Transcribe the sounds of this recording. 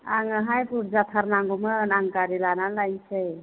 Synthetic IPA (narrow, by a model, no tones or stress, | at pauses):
aŋaɦajpuɾd͡ʒat̪ʰaɾnaŋɡɔmɯnaŋkaɾilanalajsʰej